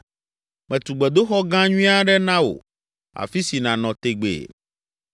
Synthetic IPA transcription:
mɛ̃˨t̪u˨ɡ͡bɛ˨d̪o˦xɔ˦ɡã˦ɲũ˦a˦ɖɛ˦nã˦wo̰˨ | a̰˨fi˦si˨nã˨nɔ̃˨t̪e˨ɡ͡bḛ˨

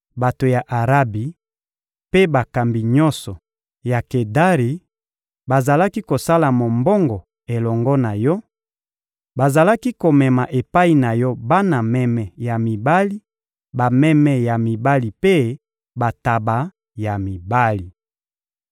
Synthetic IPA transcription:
ba˨to˨ja˨ʔa˨ʁa˦bi˨ | pe˦ba˨ka˨mbi˨ɲɔ˦sɔ˨ | ja˨ke˨da˦ʁi˨ | ba˨za˨la˦ki˦ko˨sa˦la˨mo˨mbɔ˦ŋɡɔ˨ | e˨lɔ˨ŋɡɔ˦na˨jɔ˦ | ba˨za˨la˦ki˦ko˨mɛ˨ma˨ʔe˨pa˦i˨na˨jɔ˦ba˦na˨mɛ˦mɛ˨ja˨mi˨ba˦li˦ | ba˨mɛ˦mɛ˨ja˨mi˨ba˦li˨pe˦ | ba˨ta˨ba˨ | ja˨mi˨ba˦li˨

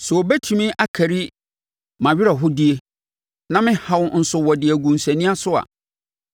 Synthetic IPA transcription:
sɛ˨o˨bɛ˦tʰu˨mĩ˦ʔa˦kʰæ˨ɾi˦ | mã˨ɥɪ˦ɾa˨ɦʊ˦di˦e˦ | nã˦mɪ̃˦ha˨wʊ˦n̩˨sʊ˨wɔ˨dɪ˨æ˨ɡũ˨n̩˨sæ̃˨nĩ˦a˦sʊ˦a̰˨

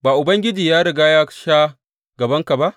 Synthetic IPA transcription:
baː˨ʔʊ˨bɐ˦ŋɡʲɪ˦d͡ʒiː˨jaː˦ɽɪ˨ɡaː˦jaː˦ʃaː˦ | ɡɐ˨bɐ˦ŋka˨ba˦ʔ

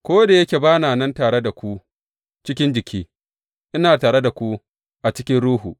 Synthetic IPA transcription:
kʷoː˦da˨jɐ˦kʲe˨baː˦naː˨nɐ˦ntaː˨ɽe˦da˨kʷu˦ | t͡ʃɪ˦kʲɪ˦nd͡ʒɪ˨kʲiː˦ | ʔɪ˦naː˨taː˨ɽe˦da˨kʷu˦ | ʔa˨t͡ʃɪ˦kʲɪ˦nɽuː˦ɦu˨

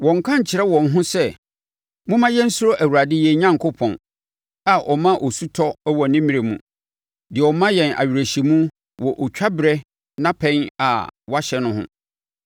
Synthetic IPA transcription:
wɔ̃˨ŋ˨kʰã˦ɲ˨t͡ɕʰɪ˨ɾɛ˦wɔ̃˨nɦʊ̃˦sɛ˦ | mʊ̃˦mã˦jɛ˦n̩˦sʊ˦ɾo˦ʔæ˨wu˨ɾa˨dɪ˦jɛ˦ɲã˦ŋkʰo˦pʰɔ̰̃˨n | a˨ʔɔ˨mã˦ʔɔ˨su˦tʰɔ˦wɔ˨nɪ̃˦mĩ˦ɾe˨mṵ̃˨ | dɪ˨ɔ˨mã˦jɛ̃˨na̰˨ɥi˨ɾæ˨ɕi˨mũ˦ | wɔ˨ʔɔ˨t͡ɕᶣa˦bɪ˨ɾɛ˦ | nã˦pʰɛ̃˦na̰˨wa˦ɕɛ˨nʊ̃˦ɦʊ̰̃˦

